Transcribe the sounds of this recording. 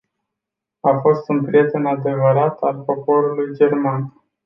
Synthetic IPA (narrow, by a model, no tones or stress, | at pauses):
afo̞st̪unpɾie̞t̪e̞nad̪e̞vəɾat̪alpo̞po̞ɾulujd͡ʒe̞rman